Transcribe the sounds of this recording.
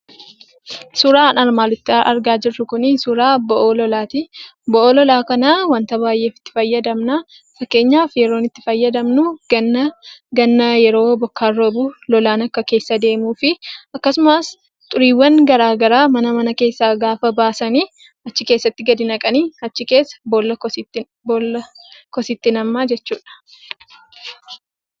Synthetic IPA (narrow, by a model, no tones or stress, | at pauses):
sʊɾaːnɐɾmaːlɪt̪ːɪɐɾɡaːd͡ʒɪrːʊkʊnɪsʊɾaːbɔʔoːlɔlaːt̪ibɔʔoːlɔlaːkɐnaːwɐnt̪ɐbaːjʔe̞ːfɪ̥t̪ːɪ̥fɐjːɐd̪ɐmna | fɐkːe̞ːɲːaːfjɛɾo̞ːnɪt̪ːɪ̥fɐjːɐd̪ɐmnʊnɐɡɐnːɐjɛɾo̞ːbɔkːaːrːobuːlɔlaːnɐkːɐke̞ːsːɐd̪e̞ːmuːfɪʔɐkːɐsʊmaːs | t̪ʼʊɾiːwːɐŋɡɐɾaːɡɐɾaːmɐnɐmɐnɐke̞ːsːaːɡaːfɐbaːsɐniː | ɐt͡ʃːɪke̞ːsːɐt̪ːɪɡɐd̪ɪnɐkʼɐniːɐt͡ʃːɪke̞ːsːɐ̥bolːɐ | bolɐkɔsɪt̪ːɪnɐmːaːd͡ʒɛt͡ʃːuːᶑɐ̥